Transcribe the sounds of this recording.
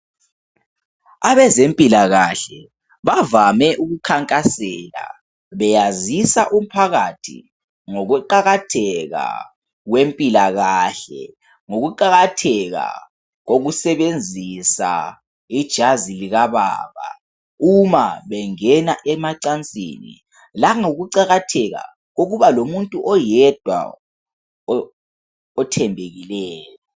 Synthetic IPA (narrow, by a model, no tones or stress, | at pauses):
aβɛzempʼilaɣaɬɛ | βavamɛʔuɣukʰaŋkʼasɛla̰ | βɛjazisaʔum̩pʰaɣatʰḭ | ŋoɣuǃaɣatʰɛɣa̰ | ɣwempʼilaɣaɬɛ̰ | ŋoɣuǃaɣatʰɛɣa̰ | ɣoɣusɛβend͡zʱisa̰ | id̥ʒ̥ʱaziliɣaβa̰ːβa̰ | umaβɛŋɛnaʔɛmaǀant͡sʼḭːnḭ | laŋoɣuǀaɣatʰɛɣa̰ | ɣoɣuβalomuntʼuʔɔjɛd̥ʱwa̰ | ɔtʰɛmbʱeɣilɛːjɔ